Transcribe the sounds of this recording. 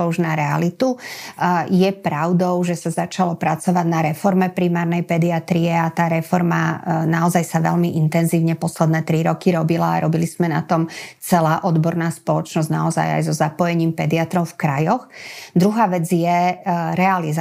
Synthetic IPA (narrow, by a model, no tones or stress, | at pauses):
ɔuʒnaɾɛa̰lit̪u | jɛpɾaʊd̪ɔʊʒɛsazat͡ʃalɔpɾat͡sɔʋaɟnaɾɛfɔɾmɛpɾimaːɾnɛjpɛd̪iat̪ɾiɛat̪aːɾɛfɔɾma̰naɔzajsaʋɛ̰ʎmiʔint̪ɛnziːʊɲɛpɔslɛd̪nɛːt̪ɾiɾɔkiɾɔbila̰ːɾʔɔbiliz̥mɛna̰t̪ɔmt͡sɛlaːʔɔd̪bɔɾnaːspɔlɔt͡ʃnɔzɟnaɔza̰ja̰jzɔzapɔjɛɲiːmpɛd̪iat̪ɾɔʊfkɾajɔxd̪ɾuɦaːʋɛd͡zjɛɾɛaliz